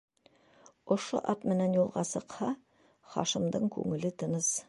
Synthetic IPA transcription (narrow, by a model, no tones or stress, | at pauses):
ŏʃo̰ʔɑt̪mɘ̆nænjulˠʁɑsɤ̆qhɑ | χɑ̰ʃɤ̆md̪ɤɴkʉ̰ŋɘ̆lɘt̪ɤ̆nɤz̥